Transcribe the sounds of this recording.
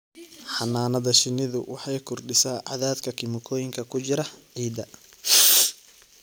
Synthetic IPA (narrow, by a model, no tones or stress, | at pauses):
ħɑnaːnɐðɐʃɪnɪðʊwʔɑħɑjkʰʊrɖɪsaːʕɑ̰ðaːd̪kʰɐkʰɪmʊkʰɔːjɪŋkʰɐkʰʊt͡ʃɪɾɐʕiːd̪ɐ